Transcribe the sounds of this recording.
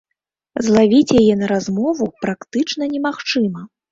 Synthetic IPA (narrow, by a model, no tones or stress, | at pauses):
zlˠavʲit͡sʲjajɛnɐɾazmɔvupɾakt̪ɨt͡ʂn̪ɐnʲɛmaxt͡ʂɨmɐ